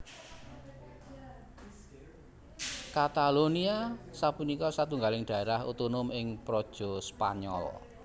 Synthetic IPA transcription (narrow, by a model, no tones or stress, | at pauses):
kat̪aloniasapunikɔsat̪uŋɡalɪŋɖ̥a̤eɾahṵt̪onʊmɪŋpɾɔd̥ʒ̥ɔ̤spa̰ɲɔ̰l